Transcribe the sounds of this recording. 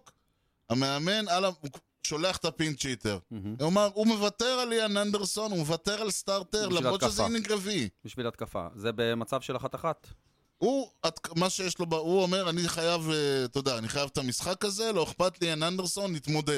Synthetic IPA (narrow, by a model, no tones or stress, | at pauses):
k | ameame̞nalau | ʃo̞le̞aχt̪apint͡ʃit̪ḛʁ̩omaʁume̞vat̪eʁalianand̪eʁso̞numevat̪e̞ʁalst̪aʁteʁlamoʃezeniɡʁavibiʃvilat̪̚kafa̰zebemat͡savʃelaχat̪aχat̪ | uat̪kmaʃejeʃlo̞bauome̞ʁaniχajavet̪od̪aːniχajavt̪amisχakaze̞lo̞eχpat̪lianand̪so̞nːit̪mo̞d̪ed